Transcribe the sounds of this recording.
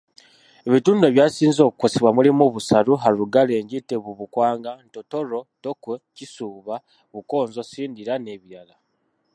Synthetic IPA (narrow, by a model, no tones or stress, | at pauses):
eβituːndoeβjaːsiːnzo̞kuko̞seβwamulimuβusaɾuɦaɾuɡale̞ːɲɟiteβuβukwaːŋɡanto̞to̞ɾo̞tokwecisuːβa | βuko̞ːnzo̞siːndiɾane̞βiɾala